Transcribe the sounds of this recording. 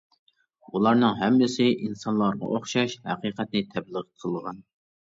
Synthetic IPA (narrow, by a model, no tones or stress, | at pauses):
ulˠɑɾnɨŋɦɛmːɪsɪʔinsɑnlˠɑɾʁɑ̰ʔoχʃɑʃhæqiːqʰɛt̪nɪt̪ʰɛbləʁəqʰəlˠʁɑn